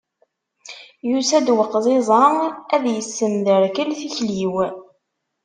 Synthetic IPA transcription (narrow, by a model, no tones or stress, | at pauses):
jusæd̪wəqːzˤɪzˤɑæðjəsːəmðəɾkəlθiçliw